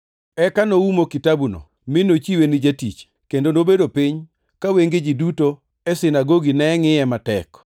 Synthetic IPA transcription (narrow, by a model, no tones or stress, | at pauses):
ɛkanoumokitabuno̰ | mɪnot͡ʃiwenɪd͡ʒatḭt͡ʃ | kendonobedopiɲ | kaweŋɡed͡ʒiduto | ɛsɪnaɡoɡinɛŋɪɛmatɛk